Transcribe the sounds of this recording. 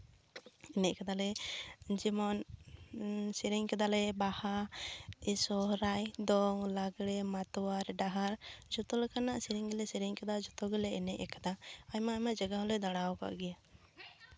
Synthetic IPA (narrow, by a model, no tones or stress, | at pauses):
ɛnɛʔkad̪alɛd͡ʒimɔn | siɾiɲkɛd̪alɛbaha | ɛsɔɾajd̪ɔŋlaɡɽɛmat̪ɔwaɾɖaɦaɾd͡ʒɔt̪ɔlɛkanaʔsiɾiŋɡɛlɛsiɾiŋkɛd̪ad͡ʒɔt̪ɔɡɛlɛɛnɛʔɛkad̪aajmaajmaʔd͡ʒaɡaɦɔlɛd̪aɽawɔka̰ʔɡɛja